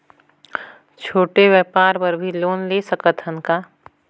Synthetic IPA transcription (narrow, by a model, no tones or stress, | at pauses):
t͡ʃʰoːʈeʋjɛpaːɾpəɾbʱiloːnlesəkət̪ʰənkaː